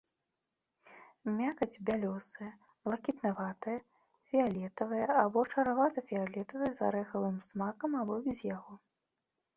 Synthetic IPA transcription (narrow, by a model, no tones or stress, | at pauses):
mʲakɐd͡zʲbʲalʲɔsɨjɐ | b̥lˠɐkʲit̪navat̪ɨjɐ | fʲialʲɛt̪ɐvɨjɐabɔt͡ʂɐɾavat̪ɐfʲialʲɛt̪ɐvɨjɐza̰ɾɛxɐvɨmsmakɐmabɔbʲɛzʲjaɣɔ